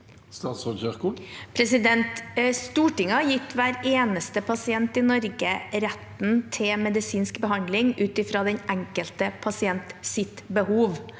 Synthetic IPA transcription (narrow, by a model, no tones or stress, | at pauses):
st̪ɑːt̪sɔçœʁkʊpʰɾɛsɪd̪ɛnt̪st̪uːʈɪŋɑjɪt̪ːʋæːɾeːnəst̪əpʰɑsɪɛnt̪ɪnɔɾɡəɾɛt̪n̩t̪ʰɪmɛd̪ɪsiːnskbəɦɑnd̪lɪŋʉːt̪ɪfɾɑːd̪ɛnʔæŋkəlt̪əpʰɑsɪɛnt̪sɪt̪bəhuːʋ